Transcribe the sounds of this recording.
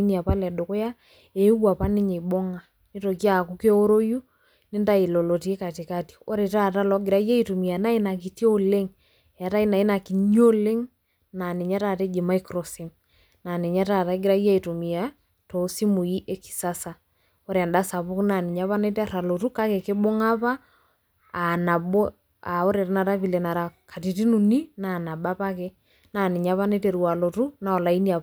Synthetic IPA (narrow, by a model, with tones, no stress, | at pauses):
ni˦a˨pa˦lɛ˨do˨ko˦ja˦ | e˨˦wa˨pa˦nɪ˦ɲe˨bo˦ŋa˨ | ni˦to˨kja˦˨ku˦ke˦o˦ɾo˦ju˦ | nɪ˦nda˦i˨lo˨lo˨ti˨e˦ka˨ti˨ka˦ti̥˨o˦ɾe˨ta˦˨ta˦lɔ˦ɡɪ˨ɾa˦ja˦i˨to˨mi˨a˨na˦i˦na˨ki˨tjo˦le˦ŋ˨ | a˨ta˦i˦na˨i˦na˨ki˨ɲo˦le˦ŋ | na˨nɪ˨ɲa˦ta˦˨te˦d͡ʒi˨ma˦i˦kɾo˨si˨m | na˨ne˨ɲa˦ta˦˨ta˦ɡɪ˦ɾa˦ja˦i˨to˨mi˨ja˦ | to˨˦si˦mu˨ji˦ʔe˦ki̥˨sa˦sa˨ | o˦ɾa˨nda˦sa˨βu˦kna˨ni˨ɲa˦βa˦ne˦tɾa˨lo˨tu˦ka˦ke˨kɪ˦bo˦ŋa˦βaː˦˨ | na˨bo˦ | a˨o˦ɾe˨ɾa˦na˨ɾa˦βi˨le˨na˨ɾa˨ka˨ti˨ti˦nu˨ni˦na˨na˨ba˦pa˦ke˦ | na˨nɪ˨ɲa˦βa˦ne˦te˨ɾu˨a˨lo˨tu˦na˨ɔ˨la˨i˦ni˦a˨